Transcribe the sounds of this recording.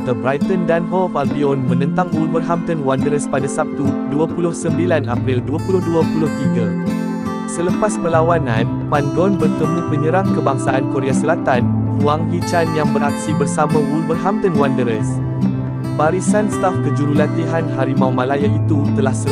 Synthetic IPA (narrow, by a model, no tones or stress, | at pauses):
t̪əbɾajt̪əndanɦɔlfabiɔnmə̃nə̃nt̪aŋwulmərɦamt̪ənwandəɾəspadasap̚t̪uduapulʊhsəmbilanapɾilduapulʊhduapulʊht̪iɡa | sələpaspəlawanãn | panɡɔnbərt̪əmũpəɲə̃ɾaŋkəbaŋsaʔankoɾeasəlat̪anuaŋɦit͡ʃanjaŋbərak̚sibərsamãwulbərɦamt̪ənwandəɾəs | baɾisanst̪afk̪əd͡ʒuɾulat̪iɦanɦaɾimãwmãlajait̪ut̪əlahsə